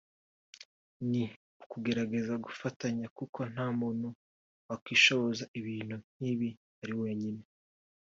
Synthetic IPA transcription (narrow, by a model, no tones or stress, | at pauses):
ni | ukuɡe̞ɾaɡe̞zaɡufataɲakukʰo̞n̥haːmuːn̥hu | wakwiːʃo̞βo̞zaʔiβiːn̥un̥hiːβi | haɾiwe̞ːɲine̞